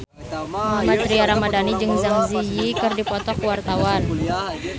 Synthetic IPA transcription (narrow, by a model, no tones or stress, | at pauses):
mamat̪ɾiaɾamadanid͡ʒɨŋzaŋzijikɨrdipɔt̪ɔkwart̪awan